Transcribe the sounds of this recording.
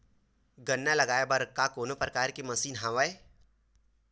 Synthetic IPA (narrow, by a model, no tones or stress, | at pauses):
ɡɐnːalɐɡaːebɐɾkakoːnopɾɐkaːɾkemɐsiːnɦãʋaːe